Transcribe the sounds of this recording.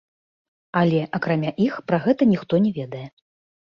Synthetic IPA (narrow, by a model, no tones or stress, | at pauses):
ɐlʲɛʔɐkɾamʲaʔixpɾaɣɛt̪ɐnʲixt̪ɔnʲɛvʲeɛd̪ɐjɛ